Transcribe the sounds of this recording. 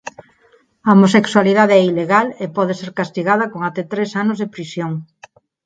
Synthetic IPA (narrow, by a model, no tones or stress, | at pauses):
ɐomosekswaliðað̞eɛileɣalepɔðeseɾkast̪iɣað̞ɐkoŋat̪ɛt̪ɾesanʊzðepɾisjoŋ